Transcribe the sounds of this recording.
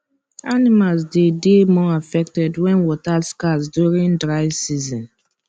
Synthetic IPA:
animalsdedemɔafɛk̚tɛdwɛ̃nwɔtaskazdjuɹĩndɹaɪsizɔ̃n

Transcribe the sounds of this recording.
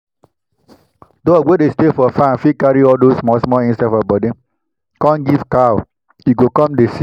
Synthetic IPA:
dowedestefɔfãnfikaɹiɔldosmɔsmɔĩnsadfɔbɔdi | kãnɡivkaw | juɡokɔ̃mdesi

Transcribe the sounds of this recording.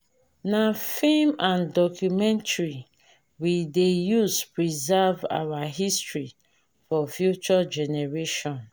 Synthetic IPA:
nafimãndɔkʰjumɛ̃ntaɹi | widejuspɹizava̰waɦistɹi | fɔfjut͡ʃɔd͡ʒɛneɹeʃɔ̃n

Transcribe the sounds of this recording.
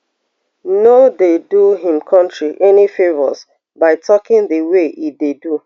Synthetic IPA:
nodeduɦĩmkʰɔ̃ntɹiʔɛnifevɔs | baɪtʰɔkɪ̃ŋdəweʔidedu

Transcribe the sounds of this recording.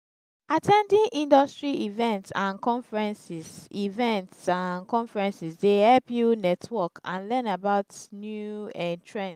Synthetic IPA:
atʰɛ̃ndĩnʔĩndɔstɹiivɛ̃ntsãnkɔ̃nfɛɹɛ̃nsisivɛ̃ntsãnkɔ̃nfɛɹɛ̃nsisdehɛlpjunɛtʰwɔkã̰nlɛ̃nabaʊtnjuɛ̃tɹɛ̃ns

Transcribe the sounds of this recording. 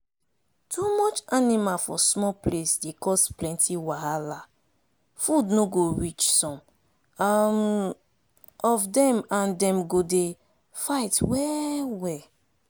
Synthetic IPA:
tʰumɔt͡ʃanimalfɔsmɔplesdekɔsplɛ̃ntʰiwaɦala | fudnoɡoɹit͡ʃsɔ̃m | am | ɔfdɛ̃mãndɛ̃mɡode | faɪtwɛwɛ

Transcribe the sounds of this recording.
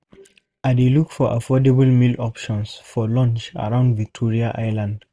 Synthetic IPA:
adelukfɔʔa̰fɔdebəlmilɔpʃɔ̃nsfɔlɔ̃nt͡ʃa̰ɹãʊ̃ndvik̚tʰɔɹiaʔaɪlãnd

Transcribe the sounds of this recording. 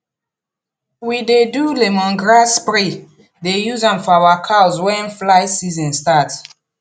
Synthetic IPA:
widedulemɔ̃nɡɹaspɾi | dejuzãnfɔawakʰawzwɛ̃nflaɪsizɔ̃nstat

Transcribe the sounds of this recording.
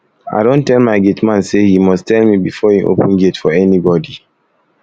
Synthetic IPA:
a̰ɪdõntɛlˠmaɪɡetmãnsehimɔstɛlmibifɔĩnʔo̰pə̃nɡetfɔɛnibɔdi

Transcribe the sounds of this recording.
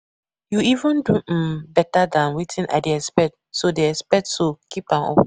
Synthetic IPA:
juivə̃ndubɛtadãnwitʰĩnʔa̰deɛspɛt̚ | sodeɛspɛk̚tsokʰipãmɔ̰p

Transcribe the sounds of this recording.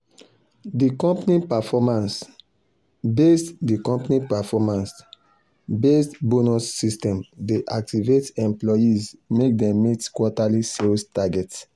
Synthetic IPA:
dikɔ̃mpnipɛfɔmãns | bestdikɔ̃mpnipɛfɔmãns | bestbonusːistɛ̃mdeʔak̚tivetɛ̃mplɔjizmek̚dɛ̃mmitkwɔtaliselstaɡɛt

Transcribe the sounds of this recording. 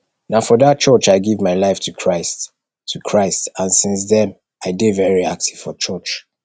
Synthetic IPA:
naʊfɔðat̚t͡ʃɜt͡ʃaɪɡivmaɪlaɪftʰukʰɹaɪst | tʰːukʰɹaɪstãnsĩnsðɛ̃m | aɪdevɛɹiak̚tiv̥fɔt͡ʃɜt͡ʃ

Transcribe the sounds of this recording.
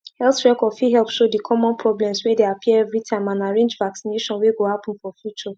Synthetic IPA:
hɛlθɹɛkɔdfiɦɛlpʃodikʰɔmɔ̃npʰɹɔblɛ̃mswɛdeapʰiɛɛvɹitʰãɪ̃mãnaɹẽnd͡ʒvaksineʃɔ̃nweɡohapɔ̃nfɔfjut͡ʃɔ

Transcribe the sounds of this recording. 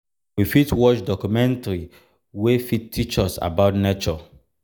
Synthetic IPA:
wifitwɔt͡ʃdɔkjumɛ̃ntaɹi | wefittʰːit͡ʃɔsa̰baʊtnet͡ʃɔ

